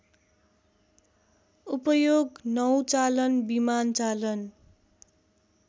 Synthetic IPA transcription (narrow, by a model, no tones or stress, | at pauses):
upʌjoɡnʌw̃t͡salʌnbimant͡salʌn